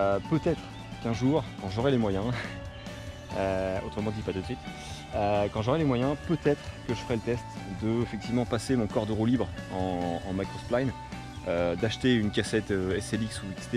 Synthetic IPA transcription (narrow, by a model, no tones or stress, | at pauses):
øpøt̪ɛt̪χ | kɛ̃ʒuːʁkɑ̃ʒɔʁɛlemwajɛ̃ | øot̪χəmɑ̃d̪ipat̪ut̪sɥit̪ | økɑ̃ʒɔʁɛlemwajɛ̃pøt̪ɛt̪χkəʒəfəʁɛlət̪ɛst̪d̪əefɛk̚t̪ivmɑ̃pasemɔ̃kɔʁd̪əʁolibʁɑ̃ːmakɔsplajn | ød̪aʃt̪eynkʲasɛt̪øɛseliksuikst̪ɛ